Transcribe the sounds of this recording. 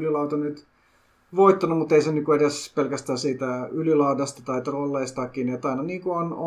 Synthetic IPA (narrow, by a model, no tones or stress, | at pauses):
lilɑut̪ɑnyt̪ | ʋoit̪ːɑnumut̪ːeisenykkueɾespelkæst̪æːsiːt̪æylilɑudɑst̪ɑt̪ɑit̪rolːeist̪ɑkːiːniet̪ːɑinɑniːŋkuono